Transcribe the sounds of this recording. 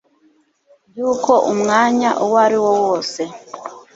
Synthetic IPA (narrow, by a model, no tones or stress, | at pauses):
juːko̞ʔumŋaːɲaʔowaɾiwo̞woːse̞